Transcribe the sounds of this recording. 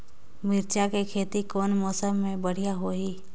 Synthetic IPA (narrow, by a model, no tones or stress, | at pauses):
mɪɾt͡ʃakekʰeːt̪ikɔːnmɔːsəmːẽbəɽ̤ijaɦoːɦiː